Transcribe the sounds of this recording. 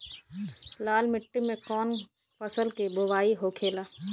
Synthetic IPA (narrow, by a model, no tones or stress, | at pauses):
laːlmɪʈːimẽkɔːn | pəsəlkiboʋaːiɦokʰeːlaː